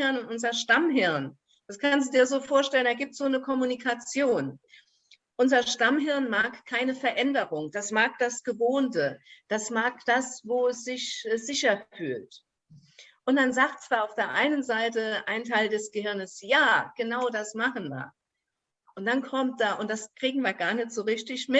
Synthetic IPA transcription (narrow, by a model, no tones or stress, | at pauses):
ɪɐnʊnʔʊnzɐʃtamɦɪɐn | d̥askʰansd̥udiːɐzoːfoːɐʃtɛləneɐɡiːp̚tz̥oːnəkʰɔmunikʰat͡sjoːn | ʔʊnzɐʃtamɦɪɐnmaːkkʰːaɪnəfɛɐʔɛndəʁʊŋd̥asmaːk̚d̥asɡ̥əvoːntəd̥asmaːkd̥asvoːsz̥ɪçz̥ɪçɐfy̰ːlt | ʔʊntm̥anzaːk̚tt͡sv̥aːɐaʊfd̥eːɐʔaɪnənzaɪtəʔaɪntʰaɪldɛsɡ̥əhɪɐnəsjaːɡ̥ənaʊdasmaχn̩ma̰ː | ʔʊnt̚d̥ankʰɔmt̚d̥aːʔʊntd̥askʁ̥iːɡŋ̩viːɐɡaːɐnɛtz̥oːʁɪçtɪçmɪt